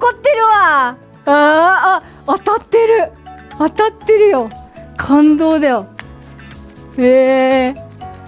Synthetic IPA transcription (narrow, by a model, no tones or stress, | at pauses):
okot̪ːeɾɯ̟βa | aː | at̪at̪ːe̞ɾɯ̟at̪at̪ːe̞ɾɯ̟jokʰãnd̪o̞ːd̪ajo | heː